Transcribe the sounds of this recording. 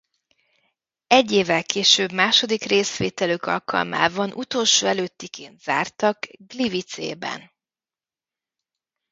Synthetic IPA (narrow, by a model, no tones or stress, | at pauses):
ɛɟːeːvɛlkeːʃøːbmaːʃo̞d̪ikreːsʋeːt̪ɛløkɒ̰lkɒ̰lma̰ːvɒnʔut̪o̞ːlʃoːɛløːt̪ːikʰeːnt̪z̥aːrt̪ɒkɡlivit̪sḛːbɛ̰n